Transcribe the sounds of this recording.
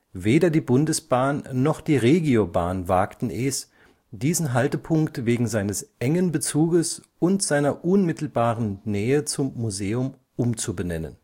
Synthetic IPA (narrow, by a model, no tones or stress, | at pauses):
veːdɐdiːbʊndəsb̥aːnːɔχd̥iːʁeːɡioba̰ːnvaːktn̩ʔɛːs | d̥iːzn̩ɦaltəpʰʊŋktveːɡŋ̩zaɪnəsʔɛŋənbət͡suːɡəs | ʊntz̥aɪnɐʔʊnmɪtl̩baːʁənnɛːət͡sʊmːuzeːʊm | ʔʊmt͡subənɛnə̰n